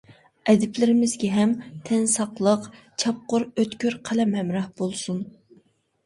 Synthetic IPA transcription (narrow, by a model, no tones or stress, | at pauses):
ɛd̪ɪplɪɾɪmɪzɡʲɛɦɛmt̪ʰɛnsɑqlˠəq | t͡ʃʰɑp̚qʊɾøt̪kʲyɾqʰælɛmhɛmɾɑhb̥olˠsun